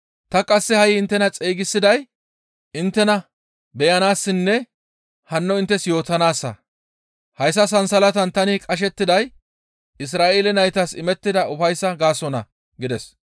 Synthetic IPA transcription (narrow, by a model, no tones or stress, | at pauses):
t̪ɐkʼɐsːɛhɐjɪɪnt̪ːɛnɐt͡sʼeːɡɪsːɪd̪ɐj | ɪnt̪ːɛnɐ | bɛjɐnaːsːɪnːɛ | hɐnːɔɪnt̪ːɛsjo̞ːt̪ɐnaːsːɐ̰ | hɐjs̬ːɐs̬ɐnsɐlɐt̪ɐnt̪ɐnɪkʼɐʃ̬ɛt̪ːɪd̪ɐj | ɪs̬ɾaːʔeːlɛnɐjt̪ɐsɪmɛt̪ːɪd̪ɐʊfɐjsːɐɡaːsɔnɐ̰ | ɡɪd̪ɛs